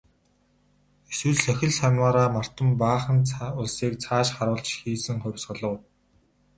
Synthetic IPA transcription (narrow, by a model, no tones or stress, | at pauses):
eswɘ̆ɮsœxʲɪ̆ɮsanwaːɾaːmar̥t̪ə̆mpaːχə̆nt͡sʰʊɮsiːk̚t͡sʰaːʃχaɾʊːɮt͡ɕxiːsɘ̆ŋχʊ̟wʲsɢə̆ɮə̆w